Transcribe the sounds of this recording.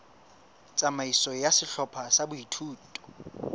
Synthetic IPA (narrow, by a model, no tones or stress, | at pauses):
t͡sʼamaisɔjasɪɬɔpʰasabʊitʰuːtʼɔ̥